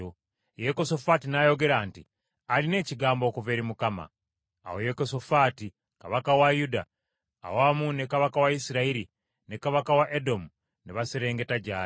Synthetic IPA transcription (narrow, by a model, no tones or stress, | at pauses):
o | jekoso̞fatinajo̞ɡe̞ɾaːnti | aline̞ːciɡaːmbo̞ːkuve̞ːɾimukama̰ː | wojekoso̞faːti | kaβakawajuda̰ː | wamunekaβakawaisiɾaiɾi | nekaβakawaʔedo̞mu | neβaseɾe̞ːŋɡe̞taɟaː